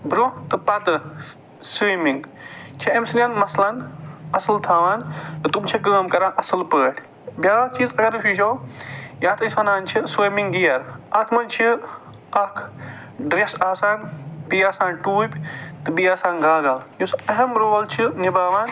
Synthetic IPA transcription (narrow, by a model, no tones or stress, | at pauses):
bɾõt̪ɨpɐt̪ɨ | simiŋɡt͡ʃʰiɐmsɨnʲaːnmɐslɐnɐsɨlt̪ʰaːʋaːnt̪ɨt̪umt͡ʃʰik̬əːmkɐɾãːʔɐsɨlpəːʈʰ | bjaːt͡ʃiːzɐɡɐɾɨfʰiːʃoːjaːt̪ʰɨsɐnaːnt͡ʃʰisiːmĩŋɡɡijɐɾɐt̪ʰmɐnt͡ʃʰi | ɐkʰ | ɖɾesaːsaːnbiːaːsaːnʈuːpʲt̪ɨbiaːsãːnɡaːɡaːljusɐɦɐmɾoːlt͡ʃʰinibaːʋaːn